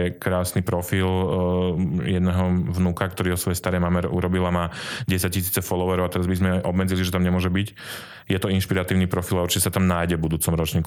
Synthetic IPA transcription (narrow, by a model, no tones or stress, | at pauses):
ɛkɾaːsnipɾɔfil | jɛd̪nɛɦɔvnukakt̪ɔɾiːɦɔsʋɔjɛst̪aɾɛjmamɛɾʔṵɾɔbilamaːɟɛsac̚cːis̬iːt͡sɛfɔlɔʋɛɾɔʊat̪ɛɾazbizmɛʔɔbmɛd͡ziliʒɛt̪amɲɛmʊɔʒɛbic | jɛt̪ɔinʃpiɾat̪iːʊnipɾɔfilauɾt͡ʃicːɛsat̪amnaːjɟɛbud̪uːt͡sɔmɾɔt͡ʃɲiːk